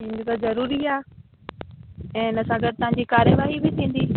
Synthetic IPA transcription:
ĩːn̆d̪it̪azɐɾuːɾiaː | ɛ̃ːɪnɐsãɡɐɖt̪ɐɦãɲd͡ʑikaːɾjəʋaːɦibɪt̪ʰĩːn̆d̪iː

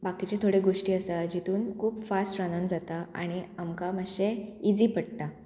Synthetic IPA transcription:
bakit͡ɕet̪ʰoɽeɡoʂʈiːəsad͡ʑit̪uːnkʰuːbfasʈɾanənd͡zat̪aa̰ɽ̃iamkaməɕeid͡ziːpəɽt̪a

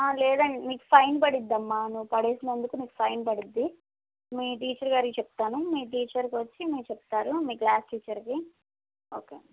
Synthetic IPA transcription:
aːlɛːd̪ɐɳemiːku̥pʰɐjnpɐɽid̪ːɐmːanuʋupɐɽe̞ːsinɐnd̪ukumiːku̥pʰɐjnpɐɽid̪ːi | miːʈ̬iːt͡ʃɐɾɡaːɾikit͡ʃep̚t̪aːnumiːʈ̬iːt͡ʃɐɾkiʋɐt͡ʃːimiːkt͡ʃep̚t̪aːɾumiːklaːsʈiːt͡ʃɐɾki | oːkḛː

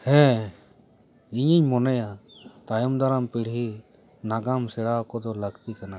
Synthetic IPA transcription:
hɛ̃ | iɲiɲmɔnɛjat̪ajɔmd̪aɾampiɽɦi | naɡamsɛɽakɔd̪ɔlaɡt̪ikana

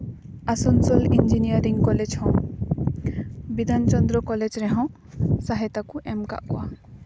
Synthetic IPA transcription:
asɔnsɔlind͡ʒinijaɾiŋkɔled͡ʒhɔ̃ | bid̪ʱant͡ʃɔnd̪ɾɔkɔled͡ʒɾɛɦɔ̃ | saɦɛt̪akuʔɛmka̰ʔkɔʔa̰

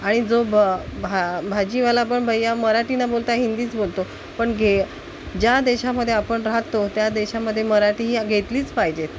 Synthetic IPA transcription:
aɽ̃id͡zobbʱabʱad͡ʑiʋalapəɳbʱəjːaməɾaʈiːnabolt̪aɦind̪iːt͡sbolt̪o | pəɳɡʱe | d͡ʑjad̪eɕaməd̪ʱːjeapəɳɾaɦt̪ot̪jad̪eɕaməd̪ʱːjeməɾaʈiːɦiːɡʱet̪liːt͡spaɦid͡ʑet̪̚

